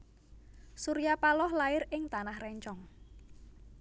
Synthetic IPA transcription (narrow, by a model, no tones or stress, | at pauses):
suɾijapalɔhlaɪɾɪŋt̪anahrɛɲt͡ʃɔŋ